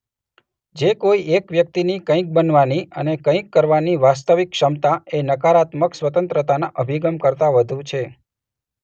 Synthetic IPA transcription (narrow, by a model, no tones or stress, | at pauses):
d͡ʒekoiekʋjək̚t̪inikə̃ĩk̚bənʋaniənekə̃ĩkːəɾʋaniʋast̪əʋikʃəmt̪aenəkaɾat̪məksʋət̪ə̃nt̪ɾət̪anaʔəbʱiɡəmkəɾt̪aʋəd̪ʱũt͡ʃʰe